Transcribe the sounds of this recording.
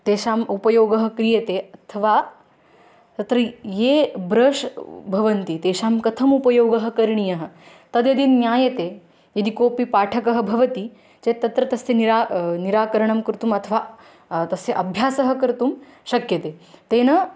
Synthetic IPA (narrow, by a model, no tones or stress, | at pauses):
t̪eːʃaːmupɐjoːɡɐɦɐkɾijɐt̪eɐt̪ʰɐʋaː | t̪ɐt̪ɾɐjeːbɾɐːʂbʱɐʋɐnt̪it̪eːʃaːmkɐt̪ʰɐmupɐjoːɡɐɦɐkɐɾɳijɐɦɐ̆ | t̪ɐd̪jɐd̪iːnnːjaːjɐt̪e | jɐd̪ikoːpipaːʈʰɐkɐɦɐ̆bʱɐʋɐt̪i | t͡ʃet̪ːɐt̪ɾɐt̪ɐseniɾaniɾaːkɐɾɐɳ̃ɐmkɾt̪uːmɐt̪ʰɐʋaː | t̪ɐseʔɐbʱjaːsɐɦɐkɐɾt̪umʃɐkjɐt̪eːt̪eːnɐ